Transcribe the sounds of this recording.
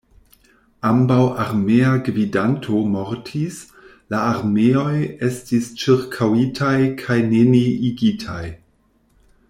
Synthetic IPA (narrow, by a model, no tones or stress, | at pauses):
ambawʔaɾmeaɡvidantʰomo̞ɾtʰis | laːɾmeo̞je̞stist͡ʃiɾkʰawitʰajkʰajneniiɡitʰa̰j